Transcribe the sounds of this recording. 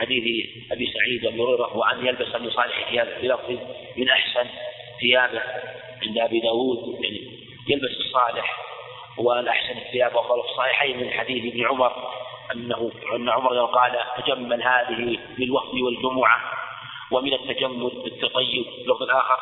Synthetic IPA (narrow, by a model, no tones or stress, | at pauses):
ħad̪iːθ | ʔabisaʕiːd̪ʔabiʊɾeːɾahʊwaʔanjalbasamɪnsˤɑːlɪħθɪjaːbaθbɪlɑfˤimɪnʔaħsan | θɪjaːba | ʕɪnd̪ʔabid̪aːwuːd̪ja̰ʕni | jalbasɨsˤːɑːlɪħ | waʔalʔaħsanɪθːɪjaːbwɑtˤːɑːlɑfsˤːɑħiħaːmɪnħad̪iːθʔɪbnʕʊmɑɾˤʔanːahʊanːaʕʊmɑɾˤaqɑːlat̪ad͡ʒamːalhaːðɪhi | mɪnalwaft̪wɪld͡ʒʊmʊʕa | wɪmɪnat̪ːad͡ʒamːʊlbɪt̪ːɑt̪ˤɑjːʊbɪlːʊft̪ˤɪlʔaːxɪɾˤ